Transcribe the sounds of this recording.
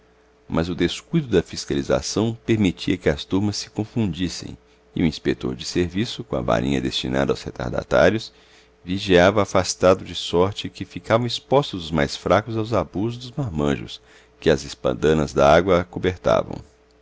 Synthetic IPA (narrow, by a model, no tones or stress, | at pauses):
mʔɐzʊd̪eskujd̪ʊd̪ɐfiskaliza̰sɐ̃w̃peɾmit͡ʃiɐkɪɐst̪uɾmɐsːɪ̥kõfũd͡ʒisḛ̃j̃ | ɪ̰uĩspek̚t̪o̰ɾd͡ʒɪseɾvisʊkõɐ̰va̰ɾʔĩɲɐd̪est͡ʃina̰d̪ɐawshet̪a̰ɾd̪a̰t̪a̰ɾjʊs | viʒiavɐafast̪ad̪ʊd͡ʒɪsɔɾt͡ʃɪkɪfikavɐ̃w̃ispɔst̪ʊzʊzmajsfɾakʊzawzabuzʊzd̪ʊzmaɾmɐ̃ʒʊ̰s | kɪɐzɪspɐ̰̃nd̪ɐ̃nɐzd̪ɐaɡwɐkobeɾt̪a̰vɐ̰̃w̃